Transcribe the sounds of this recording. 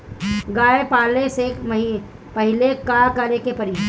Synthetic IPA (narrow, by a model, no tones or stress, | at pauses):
ɡaːepaːlesemɐɦi | pɐɦɪlekakaɾekepɐɾi